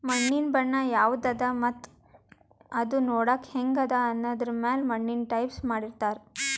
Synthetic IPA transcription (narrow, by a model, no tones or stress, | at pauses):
mɐɳːinbɐɳːɐjaːʋd̪ɐd̪ɐmɐt̪ː | ɐd̪unoːɽɐkheŋɡɐd̪ɐːnːoːd̪ɾɐmeːlmɐɳːinʈɐjpsmaːɽiɾt̪aːɾ